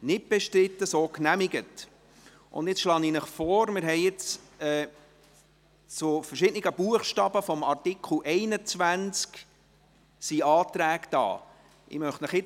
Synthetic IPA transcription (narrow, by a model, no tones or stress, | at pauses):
nɪt̚b̥ɛʃtɾɪtːəsoːknæmɪɡət | ʔʊ̰ndɪt͡sʃlɑːninəχfɔːɾmɪɾɦɛɪɪt͡s | ɛː | t͡sʊfərʃɪdnɪɡəb̥uəχʃtɑːb̥əfɔmɑrtɪkʰl̩ʔɛɪnət͡svænt͡sk | siɑːt̪ɾæːkd̥ɑ̰ː | ʔɪ̰mœχtnəχɪt͡s